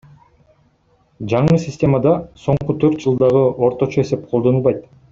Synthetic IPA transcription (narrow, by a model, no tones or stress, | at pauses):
d͡ʒɑɴɯsʲɪsʲtʲe̞mad̪ɑso̞ɴqut̪ʰøɾt̪̚d͡ʒɯlˠd̪ɑʁɯʔo̞ɾt̪o̞t͡ʃoe̞se̞p̚qʰod̪o̞nulˠβɑjt̪